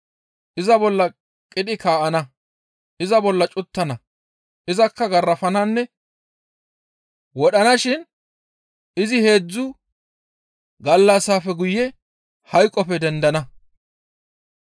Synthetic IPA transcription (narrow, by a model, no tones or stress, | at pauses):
ʔɪzɐbɔlːɐ | kʼɪɗ̪ɪkʰaːʔɐnɐ | ʔɪzɐbɔlːɐt͡ʃʼʊt̪ːɐnɐ | ɪzɐkːɐɡɐrːɐfɐnɐnːɛ | wɔɗɐnɐʃɪn | ɪzɪhe̞ːd͡zːʊ | ɡɐlːɐsaːfɛɡʊjːɛ | hɐjkʼːɔpɛd̪ɛnd̪ɐnɐ